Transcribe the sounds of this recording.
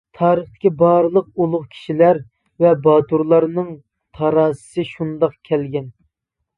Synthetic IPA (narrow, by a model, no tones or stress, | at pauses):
t̪ʰɑːɾəχt̪ʰɪ̥kʲibɑɾlˠəq̚ulˠʊχkʲʰi̥ʃilæɾ | vɛbɑt̪uɾlˠɑɾnɨŋ | t̪ʰɑɾɑːsɨ̥sɨʃund̪ɑqkʲʰɛlɡʲɛn